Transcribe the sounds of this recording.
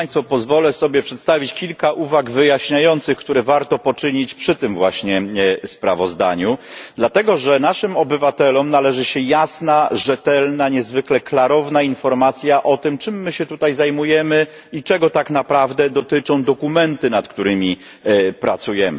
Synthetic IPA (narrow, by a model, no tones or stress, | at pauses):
j̃st̪fɔpɔzvɔlɛsɔbʲjɛpʂɛt̪st̪avʲit͡ɕkʲilkaʔuvaɡvɘjaɕɲajɔnt̪sɘxkt̪uɾɛvaɾt̪ɔpɔt͡ʂɘɲit͡ɕpʂɘt̪ɘmvwaɕɲɛspɾa̰vɔzd̪a̰ɲud̪lat̪ɛɡɔʐɛnaʂɘmɔbɘvat̪ɛlɔmnalɛʐɘɕɛjasnaʐɛt̪ɛlnaɲɛzvɘklɛklaɾɔvnainfɔɾmat̪sʲjaʔɔt̪ɘmt͡ʂɘmːɘɕɛt̪ut̪ajzajmujɛmɘ | it͡ʂɛɡɔt̪aknapɾavd̪ɛd̪ɔt̪ɘt͡ʂɔ̃w̃d̪ɔkumɛnt̪ɘnat̪kt̪uɾɘmʲi | pɾat̪sujɛmɘ̰